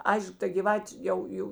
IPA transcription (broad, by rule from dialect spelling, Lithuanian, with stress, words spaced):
ˈɐɪʃk tɐ ɡʲiːˈʋɑːtʲeː ˈjɛʊ ˈjɛʊ